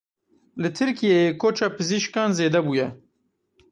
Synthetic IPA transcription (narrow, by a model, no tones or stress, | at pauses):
lɨt̪ʰɨɾkijejekʰoːt͡ʃɑːpɨziʃkɑːnzeːd̪ɛbuːjɛ